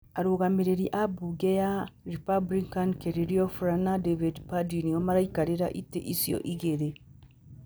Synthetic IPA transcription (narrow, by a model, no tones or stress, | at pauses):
aɾoːɣameɾeɾiʔabuɡɛjaɾipablikankɛɾeɾiɔfuɾanadevidpadiniɔmaɾaikaɾeɾa̰ʔitḛʔisiɔ̰ʔiɣeɾe